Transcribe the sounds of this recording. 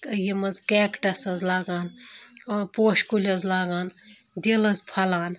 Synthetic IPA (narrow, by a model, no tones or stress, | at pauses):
jimɐzkɛːkʈɐsɐzlaːɡaːnː | poːʃkulʲɐzlaːɡaːn | d̪elɐzpʰɐlaːn